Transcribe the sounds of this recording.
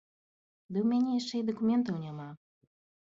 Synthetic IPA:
d̪ɨumʲɛɲʲɛjɛʂt͡ʂɛid̪ɔkumʲɛnt̪ɔwɲʲɛma

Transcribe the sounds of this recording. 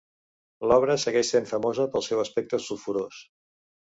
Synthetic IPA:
lɔβ̞ɾəsəɣɛʃseɱfəmozəpəlˠsɛwəspɛk̚t̪əsufuɾos

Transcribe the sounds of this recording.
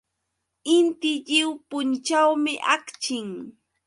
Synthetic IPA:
ɪnt̪ɪʎɪwpʊnt͡ʃawmɪʔakt͡ʃɪŋ

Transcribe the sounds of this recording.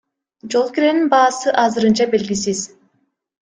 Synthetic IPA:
d͡ʒolˠkʲyɾeninbaːsɯʔazɯɾɯnd͡ʒabɛlʲɡʲis̬iz̥

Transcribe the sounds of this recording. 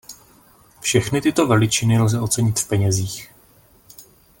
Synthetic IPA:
fʃɛxnɪt̪ɪt̪o̞vɛlɪt͡ʃɪnɪlzɛʔo̞t͡sɛɲɪt̪fpɛɲɛziːx

